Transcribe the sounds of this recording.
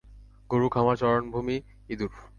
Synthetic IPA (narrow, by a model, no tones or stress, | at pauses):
ɡoɾukʰamat͡ɕɔɾonbʱumi | id̪uɾ